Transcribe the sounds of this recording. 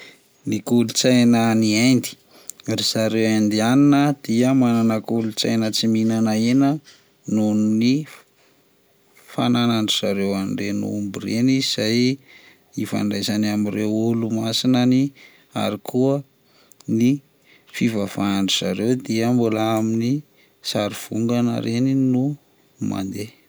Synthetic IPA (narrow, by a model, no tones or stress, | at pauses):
nikulut͡sajnəniajnd̪i̥ | riz̥aɾewajnd̪ianinəd̪̥iəmananəkulut͡sajnət͡siminanaenə | nununi | fananaɳɖ͡ʐizaɾewanɖ͡ʐenṵːmbureniiz̥aj | ifa̰ɳɖ͡ʐajzanamirewulumasinəni | a̰ɾikʰuə | ni | fivav̥aaɳɖ͡ʐiza̰ɾewd̪iəmbulaamini | saɾiv̥uŋɡanə̰ɾeninu | ma̰nd̪e